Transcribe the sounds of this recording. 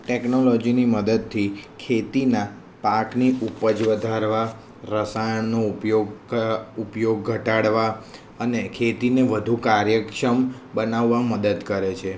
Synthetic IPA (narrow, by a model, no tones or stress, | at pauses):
ʈeknolɔd͡ʒiniməd̪əd̪̚t̪ʰikʰet̪inã | pakniupəd͡ʒʋəd̪ʱaɾʋa | ɾəsajəɳnopjoɡupjoɡːʱəʈaɽʋa | ənekʰet̪ineʋəd̪ʱukaɾjəkʃəm | bənaʋːaməd̪əd̪kəɾet͡ʃʰe